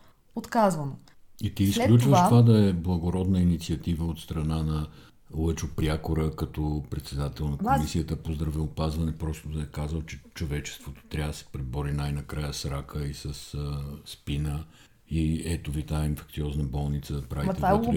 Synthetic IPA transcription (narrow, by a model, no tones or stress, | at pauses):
ot̪kazvəno | it̪iːsklʲutt͡ʃvəʃt̪ovad̪ɐɛblˠəɡoɾɔd̪nəinit̪siɐt̪ivəot̪st̪ɾɐnanɐ | lˠət͡ʃopɾʲakoɾəkɐt̪ɔpɾɛt̪sɛd̪at̪ɛlˠnɐkomisiət̪əpozd̪ɾɐvɛopazvɐnɛpɾɔst̪od̪ɐɛkazəlˠt͡ʃɛt͡ʃovɛt͡ʃɛ̥st̪vot̪o̥t̪ɾʲavd̪əsɛ̥pɾibɔɾinajnɐkɾajəsɾakʰəisəsspinə | iɛt̪ovit̪ainfɛ̥kt̪siɔznəbɔlˠnit̪səd̪ɐpɾavit̪ɛa